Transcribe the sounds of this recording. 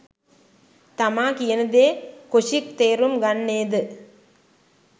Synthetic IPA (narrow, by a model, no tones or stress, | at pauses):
t̪ɐmaːkjɛnd̪eːkʊʂik̚t̪eːɾɯmɡɐɳːeːd̪ɯ